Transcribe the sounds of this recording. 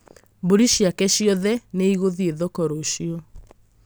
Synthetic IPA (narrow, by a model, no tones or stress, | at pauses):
boɾiɕiakɛɕiɔðɛneiɣoðieðokɔɾoɕiɔ